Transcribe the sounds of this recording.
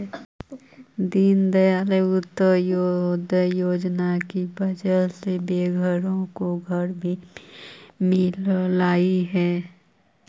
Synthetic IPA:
d̪ind̪əjaːleʊt̪ːəɾd̪əjoːd͡ʒnakibəd͡ʒəlsebeːɡʱəɾõkoɡʱəɾbʱi | mɪllaːiɦɛː

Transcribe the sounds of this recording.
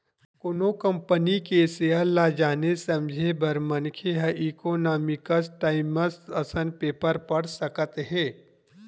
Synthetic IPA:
konokə̃mpənikeseəlːaːd͡ʒaːnesɐ̃md͡ʒʱebəɾmənkʰeɦəʔiːkoːnaːmɪkəsʈaːɪməsəsənpeːpəɾpɐɽsəkət̪ɦɛ̃ː

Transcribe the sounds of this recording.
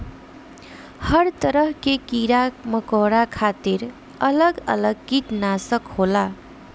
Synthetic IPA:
hʌɾt̪ʌɾʌɦkekiɾamʌkoɾakʰat̪iɾ | ʌlʌɡʌ̰lʌɡ̚kit̪nasəkhola

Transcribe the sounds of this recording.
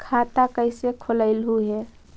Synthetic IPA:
kʰat̪akəɪsekʰoləɪlɦuɦɛ

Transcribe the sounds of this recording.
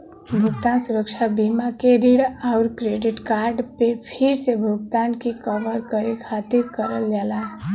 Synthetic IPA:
bʱuɡt̪ansuɾək̚t͡ʃʰabimakeɾiɽaʊɾkɾeɖiʈkaɾɖpepʰiɾsebʱuɡ̚t̪ankikəʋəɾkəɾekʰat̪iɾkəɾəljala

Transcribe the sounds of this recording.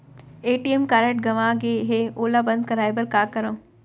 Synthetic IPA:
eːʈiemkaːɾeʈɡɐʋãɡeɦeoːlabɐ̃nd̪̚kɐɾaːjbəɾkaːkɐɾõː

